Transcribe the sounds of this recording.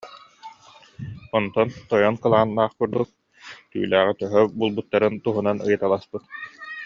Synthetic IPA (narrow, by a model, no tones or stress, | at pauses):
ɔnt̪ɔnt̪ɔjɔnkɯlˠaːnːaːχkuɾd̪uk̚ | t̪y̰ːlæːʁit̪œɦœbuːlˠbut̪ːaɾɯnt̪uɦunanɯ̰jɯt̪alˠaspɯt̪